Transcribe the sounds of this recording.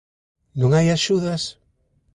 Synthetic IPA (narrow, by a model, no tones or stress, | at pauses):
nõŋajaʃuðas